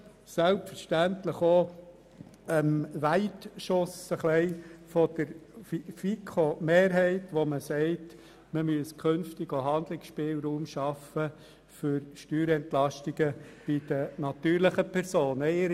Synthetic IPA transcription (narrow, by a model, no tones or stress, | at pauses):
sælpfəɾʃtænt̪ləχo | əmʋæɪtʃʊsəχlɛɪfɔd̥əɾffikʰomeːɾɦɛɪtʋɔməsɛɪt | məmyəskʰønftɪɡoɦɑnd̪lɪksʃpɪːlɾuːmʃɑfə | føɾʃtyːɾɛntlɑʃtɪɡ̥əb̥id̥ənɑt̪yːɾləχəpʰɛɾsoːnəɪɾ